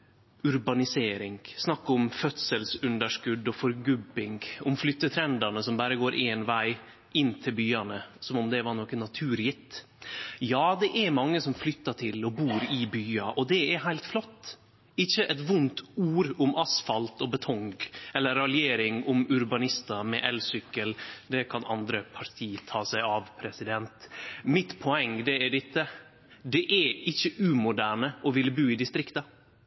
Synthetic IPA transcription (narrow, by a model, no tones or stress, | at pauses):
ʉɾbɑnɪseːɾɪŋsnɑkːʊmfœt̪səlsʉnd̪əʂkʉd̪ːɔfɔɾɡʉbɪŋɡʊmflʏt̪ːət̪ʰɾɛnd̪ənəsɔmbæːɾəɡoːɾʔeːnʋæɪ | ɪnːt̪ʰɪlbyːɑnəsɔmɔmd̪ɛʋɑɾnɔːkənːɑt̪ʰʉːɾjɪt̪ː | jɑːd̪ɛʔɛɾmɑŋːəsɔmflʏt̪ːɑʈʰɪlɔbuːɾɪbyːɑʔɔd̪ɛɛɾɦæɪlt̪flɔt̪ː | ɪçːəʔɛt̪ʋʊnt̪uːɾʊmʔɑsfɑlt̪ɔbət̪ʰɔŋɡɛlːəɾɑljeːɾɪŋʊmʉɾbɑnɪst̪əmɛʔɛlsʏkːəld̪ɛkʰɑnɑ̰nd̪ɾəpʰɑɾt̪ʰiːt̪ʰɑːsæɪɑʋpʰɾɛsɪd̪ɛnt̪mɪt̪pʰɔɛŋd̪ɛɛɖɪt̪ːə | d̪ɛʔɛɾɪçːəʔʉːmʊd̪æːɳəʔɔʋɪlbʉːɪd̪ɪst̪ɾɪkt̪ɑ